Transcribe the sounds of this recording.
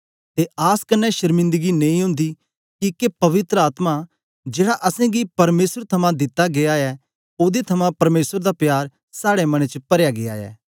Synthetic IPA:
t̪eaːskɐnːɛʃɐɾmɪ̃nd̪əɡinẽĩɦʊ̃nd̪i | kikepɐʋɪt̪ɾəaːt̪ma | d͡ʒeːɽaʔɐsɛ̃ɡipɐɾmeːsəɾt̪ʰɐmãd̪ɪt̪ːaɡeaɛ | oːd̪et̪ʰɐmãpɐɾmeːsəɾd̪apjaːɾ | saːɽemɐɽ̃et͡ʃəpɐɾjaɡea̰ɛ̰ː

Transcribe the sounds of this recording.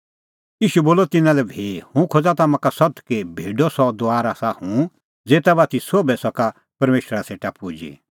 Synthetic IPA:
jiːʃuboːlɔt̪ɪnãlɛbʱeːhũkʰod͡zat̪amãkasɔt̪kebʱeːɖɔsɔd̪oaːɾaːsahũ | d͡zeːt̪abaːt̪isoːbɛsɔka | pɐɾmeːʃɾaseːʈapud͡ʒḭ

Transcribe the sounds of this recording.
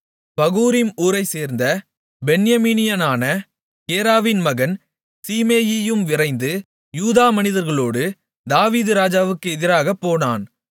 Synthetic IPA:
pɐɣuːɾɪmuːɾɐɪseːɾnd̪ɐ | bɛnjɐmiːnɪjɐnaːnɐ | keːɾaːʋɪnmɐɣɐn | siːmeːjɪjɯmʋɪrɐɪnd̪ɯ | juːðaːmɐnɪðɐɾɣɐɭoːɽɯ | d̪aːʋiːðɯɾaːd͡ʒaːʋɯkːɯɛðɪɾaːɣɐpːoːnaːn

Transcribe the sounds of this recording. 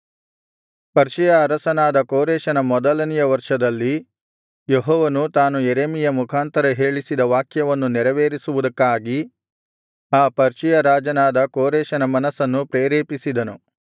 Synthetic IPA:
pɐɾʃijɐːɾɐsɐnaːd̪ɐkoːɾɛːʃɐnɐmɔd̪ɐlɐnijɐʋɐɾʂɐd̪ɐlːi | jeɦɔːʋɐnut̪aːnujeɾeːmijɐmukʰaːnt̪ɐɾɐɦe̞ːɭisid̪ɐʋaːkʰjɐʋɐnːunɛɾɐʋeːɾisuʋud̪ɐkːaːɡi | aːpɐɾʃijɐɾaːd͡ʒɐnaːd̪ɐkoːɾeːʃɐnɐmɐnɐsɐnːupɾeːɾeːpisid̪ɐnu

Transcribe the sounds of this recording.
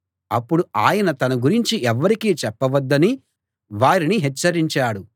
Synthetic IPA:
ɐpːuɽuaːjɐnɐt̪ɐnɐɡuɾiɲt͡ʃiʔɛʋːɐɾikiːt͡ʃɛpːɐʋɐd̪ːɐni | ʋaːɾiniɦɛt͡ʃːɐɾiɲt͡ʃaːɽu

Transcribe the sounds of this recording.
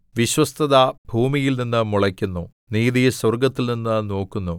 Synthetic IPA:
ʋiɕwɐst̪ʰɐðɐbʱuːmijilninːɨmuɭɐkʲːunːu | niːðiswɐrɡɐt̪ːilninːɨno̞ːkːunːu

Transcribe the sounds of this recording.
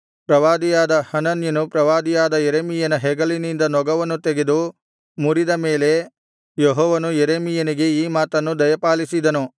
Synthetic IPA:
pɾɐʋaːd̪ijaːd̪ɐhɐnɐnjɐnupɾɐʋaːd̪ijaːd̪ɐjeɾeːmijɐnɐɦɛɡɐlinind̪ɐnɔɡɐʋɐnːut̪eɡed̪u | muɾid̪ɐme̞ːle̞ | jɔɦɔːʋɐnujeɾeːmijɐniɡe̞iːmaːt̪ɐnːud̪ɐjɐpaːlisid̪ɐnu

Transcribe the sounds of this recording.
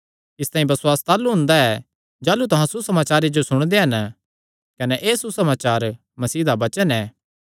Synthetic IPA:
ɪst̪ãːĩbɐsʊwaːst̪aːluɦʊ̃nd̪aɛ | d͡ʒaːlut̪ɐɦãsusɐmaːt͡ʃaːɾed͡ʒosʊɽ̃d̪eɦɐn | kɐnɛʔeːsusɐmaːt͡ʃaːɾ | mɐsiːd̪abɐt͡ʃənɛː

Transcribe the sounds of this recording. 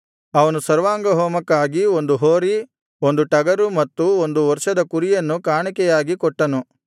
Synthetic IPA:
ɐʋɐnusɐɾʋaːŋɡɐɦɔːmɐkːaːɡio̞nd̪uɦoːɾi | ond̪uʈɐɡɐɾumɐt̪ːuond̪uʋɐɾʃɐd̪ɐkuɾijɐnːukaːɳikɛjaːɡikɔʈːɐnu

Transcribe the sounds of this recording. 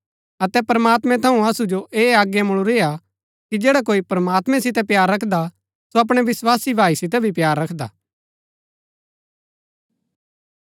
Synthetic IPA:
ɐt̪ɛpɾɐmaːt̪mɛ̃t̪ʰɐũɐsud͡ʒoʔeːaːɡjamʊɭ̃uɾeːa | kid͡ʒeːɽak̬oːipɾəmaːt̪mɛ̃sɪt̪̬ɛpjaːɾːɐkʰd̪a | soɐp̬ɽ̃ɛʋɪswaːsibʱaːisɪt̪̬ɛbʱipjaːɾːɐkʰd̪a̰ː

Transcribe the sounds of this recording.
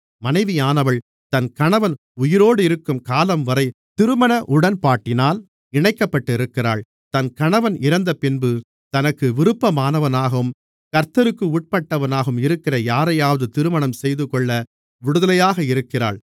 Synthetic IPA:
mɐnɐɪʋɪjaːnɐʋɐɭ | t̪ɐnkɐɳɐʋɐn | ʊjɪɾoːɽɯɪɾɯkːɯmkaːlɐmʋɐɾɐɪt̪ɪɾɯmɐɳɐʔʊɽɐnpaːʈːɪnaːl | ɪɳɐɪkːɐpːɐʈːɯɪɾɯkːɪra̰ːɭ | t̪ɐnkɐɳɐʋɐnɪɾɐnd̪ɐpɪnbɯ | t̪ɐnɐkːɯʋɪɾɯpːɐmaːnɐʋɐnaːɣɐɯm | kɐɾt̪ɐɾɯkːɯʊʈ̚pɐʈːɐʋɐnaːɣɯmɪɾɯkːɪrɐjaːɾɐjaːʋɐðɯt̪ɪɾɯmɐɳɐmsɛjðɯkɔɭːɐ | ʋɪɽɯðɐlɐjaːɣɐɪɾɯkːɪra̰ːɭ

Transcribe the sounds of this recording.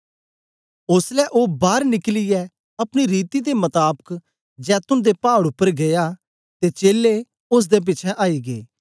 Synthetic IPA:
ʊslɛːʔoːbaːɾnɪklɪjɛ | ɐpñiɾiːt̪iːd̪emət̪aːbək | d͡ʒɛːt̪ʊnd̪eːpaːɽʊpːəɾɡejaː | t̪eːt͡ʃeːlːe | ʊs̬d̪eːp̬ɪt͡ʃʰɛʔaːiːɡeː

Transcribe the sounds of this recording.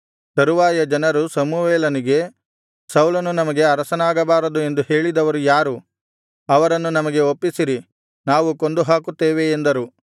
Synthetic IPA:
sɐɾuʋaːjɐd͡ʒɐnɐɾusɐmuʋeːlɐniɡe̞ | sɐwlɐnunɐmɐɡe̞ɐɾɐsɐnaːɡɐbaːɾɐd̪ue̞nd̪uhe̞ːɭid̪ɐʋɐɾujaːɾu | ɐʋɐɾɐnːunɐmɐɡe̞o̞pːisiɾi | naːʋuko̞nd̪uɦaːkut̪ːeːʋeːnd̪ɐɾu

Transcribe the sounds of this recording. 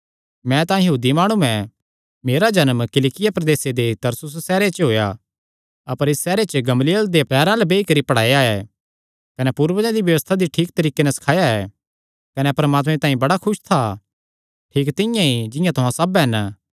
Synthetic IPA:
mɛ̃t̪ãːĩjɐɦuːd̪imaːɽ̃ũɛ̃ | meːɾad͡ʒɐnmkɪlɪkɪjapɾɐd̪eːsed̪et̪ɐɾsʊs̬ːɛːɾet͡ʃɦoːja | ɐpəɾɪsːɛːɾet͡ʃəɡɐmlijəld̪epɛːɾãlɛbeːikɐɾipɐɽ̤aːjaɛː | kɐnɛpuːɾʋəd͡ʒãd̪iʋjɐʋəst̪ʰad̪iʈʰiːk̚t̪ɐɾiːkenɛsɐ̥kʰaːjaɛː | kɐnɛpɐɾɐmaːt̪mẽt̪ãːĩbɐɽakʰʊʃt̪ʰa | ʈʰiːkt̪ɪ̃jãid͡ʒɪ̃jãt̪ʊɦãsɐbɦɛn

